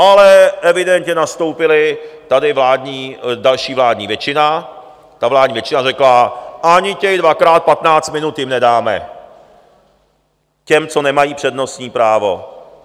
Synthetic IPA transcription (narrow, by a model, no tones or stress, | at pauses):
ʔalɛʔɛvɪdɛnt̪ɲɛnast̪o̞wpɪlɪt̪adɪvlaːdɲiːdalʃiːvlaːdɲiːvjɛt͡ʃɪna | t̪avlaːdɲiːvjɛt͡ʃɪnarɛklaʔaɲɪcɛjdvakɾaːt̪̚pat̪naːt͡st̪mɪnut̪jɪmnɛdaːmɛ̰ | cɛmt͡so̞nɛmajiːpr̝̥ɛdno̞st̪ɲiːpɾaːvo̞̰